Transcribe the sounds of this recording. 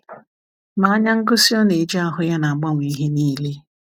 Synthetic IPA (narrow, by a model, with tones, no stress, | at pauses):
ma˨a˦ɲa˦ŋ̩˦ɡʊ˦si˦ɔ˦ne˨d͡ʒa˦ɦʊ˦ja˦na˨a˨ɡ͡ba˦ŋʷ˨i˨i˦ɦe˦niː˦le˦